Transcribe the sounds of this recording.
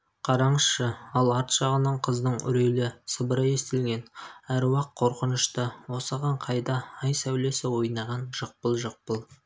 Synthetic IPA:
qʰɑɾɑɴəsʃəɑlˠɑɾt̪ʃɑʁənɑɴqʰəzd̪əɴʏ̰ɾelɪsəbəɾəe̞st̪ɪlɡʲe̞næɾwɑqʰːo̞ɾqənəʃt̪əwo̞səʁɑɴqʰɑjd̪ɑːjsæwle̞sɪwo̞jnɑʁɑnʒ̥əq̚pəlˠʒəq̚pəlˠ

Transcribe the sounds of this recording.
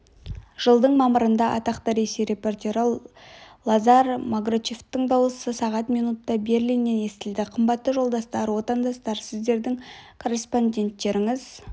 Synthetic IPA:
ʒ̥əlˠd̪əɴmɑməɾənd̪ɑʔɑ̰t̪ɑqt̪əɾesejɾe̞po̞rt̪ʲe̞ɾə | lˠɑzɑɾmaɡrot͡ʃeft̪ːɪɴd̪ɑwəsəsɑʁɑt̪mijnut̪ːɑbe̞ɾlijnːe̞ne̞st̪ɪld̪ɪqʰəmbɑt̪ːəʒo̞lˠd̪ɑst̪ɑɾwo̞t̪ɑnd̪ɑst̪ɑɾsɪzd̪e̞ɾd̪ɪŋkʰo̞re̞spo̞nʲdʲe̞nt̪ːe̞ɾɪŋɪz

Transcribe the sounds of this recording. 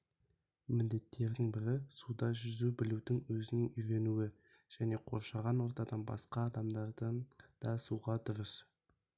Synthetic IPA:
mɪnd̪e̞t̪ʰːe̞ɾd̪ɪŋbɪɾɪsud̪ɑʒʏzubɪlud̪ɪŋwɵzɪnɪŋʏjɾe̞nuwɪ | ʒ̥æne̞qʰo̞̰ɾʃɑʁɑnwo̞ɾt̪ɑd̪ɑnbɑ̰sqɑːd̪ɑmd̪ɑɾd̪ənd̪̥ɑsuʁɑd̪ʊɾəs

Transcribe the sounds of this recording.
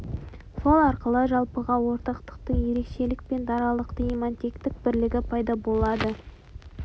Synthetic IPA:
so̞lˠɑɾqəlˠəʒɑlˠpəʁɑwo̞ɾt̪ɑqt̪ə̥q̚t̪əɴje̞ɾe̞kʃe̞lɪk̚pe̞nd̪ɑɾɑlˠəqt̪əimant̪ʲekt̪ɪk̚bɪɾlɪɡʲɪpʰɑjd̪ɑbo̞lˠɑd̪ə

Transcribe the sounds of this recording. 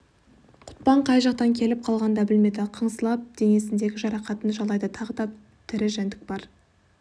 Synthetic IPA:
qʰʊ̥t̪̚pɑɴqʰɑjʒɑqt̪ɑŋkʲʰe̞lɪp̚qʰɑlˠʁɑnd̪ɑbɪlme̞d̪ɪqʰəɴsəlˠɑp̚d̪̥e̞ŋe̞sɪnd̪e̞ɡʲɪʒɑɾɑqɑt̪ənʒɑlˠɑjd̪ət̪ʰɑʁəd̪ɑ | t̪ʰɪɾɪʒænd̪ɪk̚bɑɾ

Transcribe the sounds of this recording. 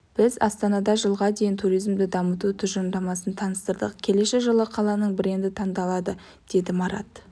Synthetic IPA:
b̥ɪzɑ̰st̪ɑnɑd̪ɑʒəlˠʁɑd̪e̞jɪnt̪ʰuɾijzmd̪ɪd̪ɑmət̪ut̪ʰʏʒənd̪ɑmɑsənt̪ʰɑnəst̪əɾd̪ə̰qkʲʰe̞le̞ʃeʒəlˠəqʰɑlˠɑnəɴbɪɾe̞nd̪ɪt̪ʰɑɴd̪ɑlˠɑd̪ə | d̪̥e̞d̪ɪmɑɾɑ̰t̪

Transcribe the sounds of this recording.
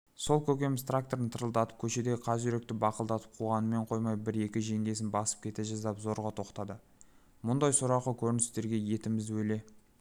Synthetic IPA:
so̞lˠkʲʰɵkʲe̞mɪst̪rak̚t̪o̞ɾənt̪ʰəɾəlˠd̪ɑt̪ə̥p̚kʲʰɵʃe̞d̪e̞qʰɑzʒʏɾe̞k̚t̪ɪbɑqəlˠd̪ɑt̪ə̥p̚qʰuʁɑnəme̞ɴqʰo̞jmɑjbɪɾe̞kʲɪʒe̞ŋɡʲe̞sɪnbɑsə̥p̚kʲʰe̞t̪eʒɑzd̪ɑpzo̞ɾʁɑt̪ʰo̞qt̪ɑd̪ə | mʊnd̪ɑjsʊɾɑqəkʲʰɵɾɪnɪst̪e̞ɾɡʲe̞je̞t̪ɪmɪzɪwɵjle̞

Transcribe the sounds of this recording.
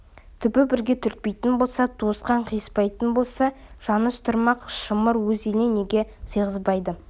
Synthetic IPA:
t̪ʰʏbɪbɪɾɡʲe̞t̪ʰʏɾt̪̚pejt̪ɪnbo̞lˠsɑt̪ʰosqɑɴqʰijəspɑjt̪ənbo̞lˠsɑ | ʒ̥ɑnəst̪ʰʊɾmɑqʃəməɾwɵzenene̞ɡʲe̞səjʁəzbɑjd̪ə

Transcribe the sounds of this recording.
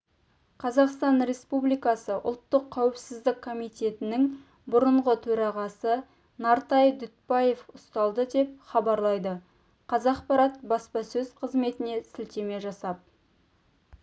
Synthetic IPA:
qʰɑzɑqst̪ɑnɾe̞spublijkɑsəʔʊ̰lˠt̪ːəqʰːæwɪpsɪzd̪ɪkʰːo̞mijt̪e̞t̪ɪnɪŋ | bʊɾəɴʁət̪ʰɵɾɑʁɑsə | nɑɾt̪ɑjd̪ʏt̪̚pɑje̞fʊst̪ɑlˠd̪əd̪e̞p̚χɑbɑɾlˠɑjd̪ə | qʰɑzɑqpɑɾɑt̪̚bɑspɑsɵzqʰəzme̞t̪ɪne̞sɪlt̪e̞me̞ʒɑsɑp̚

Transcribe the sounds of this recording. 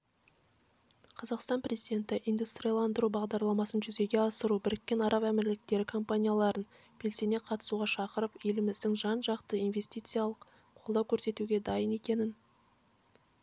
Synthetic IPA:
qʰɑzɑqst̪ɑnprʲe̞zijd̪ʲe̞nt̪ɪʔijnd̪ust̪rʲijalˠɑnd̪əɾubɑʁd̪ɑɾlˠɑmɑsənʒʏze̞ɡʲe̞ɑsəɾubɪɾɪkʲːe̞nɑɾʔɑpæmɪɾlɪk̚t̪e̞ɾɪkʰo̞mpanʲijalˠɑɾən | b̥e̞lse̞ne̞qʰɑt̪ə̥suʁɑʃɑqəɾəpe̞lɪmɪzd̪ɪŋʒɑnʒɑqt̪əinve̞sʲt̪ijt̪sɨijalˠəq | qʰo̞lˠd̪ɑwkʲʰɵɾse̞t̪uɡʲe̞d̪ɑjəne̞kʲe̞nɪn

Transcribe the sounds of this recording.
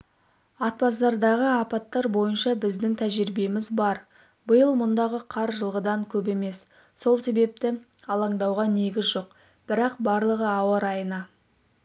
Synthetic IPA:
ɑt̪̚pɑsd̪ɑɾd̪ɑʁəɑpɑt̪ːɑɾbo̞jənʃɑbɪzd̪ɪŋt̪ʰæʒɪɾbe̞mɪzbɑɾ | bəjəlˠmʊnd̪ɑʁəqʰɑɾʒəlˠʁəd̪ɑŋkʲʰɵpe̞me̞s | so̞lˠse̞be̞p̚t̪ɪ | ɑlˠɑɴd̪ɑwʁɑne̞ɡʲɪzʒo̞q | b̥ɪɾɑqbɑɾlˠəʁəɑwɑɾɑjənɑ

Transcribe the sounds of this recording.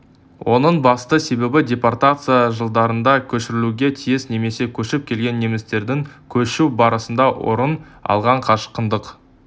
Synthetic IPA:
wʔo̞nəɴbɑst̪əse̞be̞bɪdʲe̞port̪at̪sɨjaʒəlˠd̪ɑɾənd̪ɑkʲʰɵʃɪɾɪluɡʲe̞t̪ʰijɪsne̞me̞se̞kʲʰɵʃɪp̚kʲʰe̞lɡʲe̞nːe̞mɪst̪e̞ɾd̪ɪŋkʲʰɵʃubɑɾəsənd̪ɑwʔo̞̰ɾən | ɑ̰lˠʁɑɴqʰɑʃqənd̪əq

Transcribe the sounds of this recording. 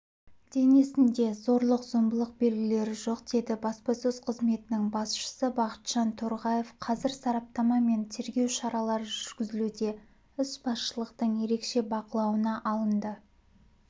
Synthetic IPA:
d̪̥e̞nesɪnd̪e̞zo̞ɾlˠəqzo̞mbəlˠəq̚be̞lɡʲɪle̞ɾɪʒo̞qd̪e̞d̪ɪbɑspɑsɵz̥qʰəzme̞t̪ɪnɪŋbɑsʃə̥səbɑqə̥t̪ʒ̥ɑnt̪ʰoɾʁɑje̞fqʰɑzɪɾsɑɾɑp̚t̪ɑmɑme̞nt̪ʰe̞ɾɡʲe̞wʃɑɾɑlˠɑɾəʒʒʏɾɡʲɪzɪlud̪e̞ | ʏsbɑsʃəlˠəqt̪əɴje̞ɾe̞kʃe̞bɑqəlˠɑwənɑʔɑlˠənd̪ə

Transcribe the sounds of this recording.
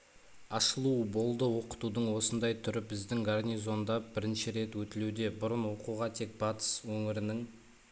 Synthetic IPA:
ɑʃəlˠuəbo̞lˠd̪əwo̞qə̥t̪ud̪əɴwo̞sənd̪ɑjt̪ʰʏɾɪbɪzd̪ɪŋɡarnʲijzo̞nd̪ɑbɪɾɪnʃɪɾe̞t̪wɵt̪ɪlud̪e̞bʊɾənwo̞quʁɑt̪ʰe̞k̚b̥ɑt̪ə̥swɵŋɪɾɪnɪŋ

